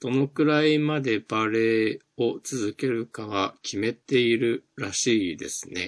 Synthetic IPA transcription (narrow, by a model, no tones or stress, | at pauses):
d̪̥o̞no̞kɯ̟ɾaimad̪e̞baɾe̞ː | o̞t͡sɨzɨke̞ɾɯ̟kaβ̞akʲime̞t̪e̞iɾɯ̟ɾaɕiːd̪e̞̰sɨ̥ne̞̰